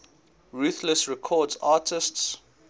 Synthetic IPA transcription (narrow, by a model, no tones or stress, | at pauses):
ɹuːθləsɹɛkʰɔːdzaːtʰɪsts